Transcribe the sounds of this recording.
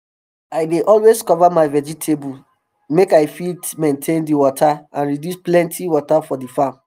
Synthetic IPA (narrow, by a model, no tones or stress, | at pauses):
aɪdeʔɔlweskɔvamaɪvɛd͡ʒitʰebu | mekaɪfitmẽntʰẽndiwɔtʰaãnɹidjusplɛ̃ntʰiwɔtafɔdifam